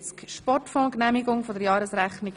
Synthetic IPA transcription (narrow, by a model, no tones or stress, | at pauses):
t͡skʃpɔrtfɔlknæmiɡʊŋfɔd̪əɾjɑːɾəsɾæχnik